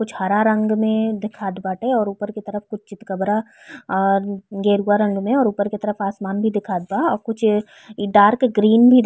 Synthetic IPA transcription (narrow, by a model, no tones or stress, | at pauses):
kʊt͡ʃʰhɐɾaɾɐ̃ŋɡmẽd̪ɪkʰaːd̪baːʈeɔːɾuːpəɾket̪ɐɾəfkʊt͡ʃʰt͡ʃɪt̪kəbɾaː | ɾɡeːɾuːaɾɐ̃ɳɖmẽɔːɾuːpəɾket̪ɐɾəfaːsmaːnbʱid̪ɪkʰaːd̪̚baɔːɾkʊt͡ʃʰ | ɖaːɾkɡɾiːnbʱi